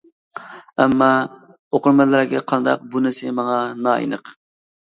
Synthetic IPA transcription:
ɛmːɑ | oqʊɾmɛlˠɾɡʲɛqʰɑnd̪ɑ̰q̚bunɪsɪmɑŋɑnɑḭnəq

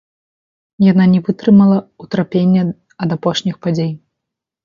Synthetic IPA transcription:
jan̪anʲɛvɨt̪ɾɨmɐlˠɐut̪ɾapʲenʲːɐ | ɐd̪apɔʂnʲixpad͡zʲej

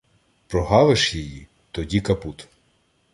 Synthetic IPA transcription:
pɾɔɦɑʋɪʃjɛji | t̪ɔdʲikɐput̪

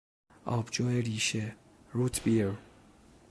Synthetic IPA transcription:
ʔɒ̰ːbd͡ʒɔːeɾiːʃe | ɾut̪ʰbiɾ

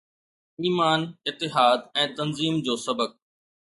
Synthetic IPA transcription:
iːmaːnɪt̪ːɪɦaːd̪̚ɛ̃ːt̪ɐnziːmd͡ʑoːsɐbək̚

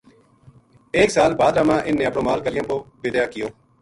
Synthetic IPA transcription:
eːksaːlbaːd̪ɾaːmãːʔɪnːẽːəpɳõːmaːlkəlɪjãːpoːbɪd̪jaːkɪjoː

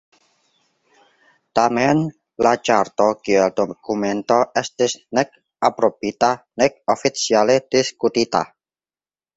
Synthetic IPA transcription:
t̪amɛn | lat͡ʃart̪ɔkiɛld̪̥okumɛnt̪ɔʔɛst̪ɪsnɛk̚ | apɾob̥it̪anɪk̚ofit̪sialed̪̥iskut̪it̪a̰

